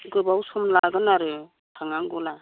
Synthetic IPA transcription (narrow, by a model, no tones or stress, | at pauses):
ɡɯbawsɔmlaɡɯnaɾɯ | tʰaŋaŋɡɔla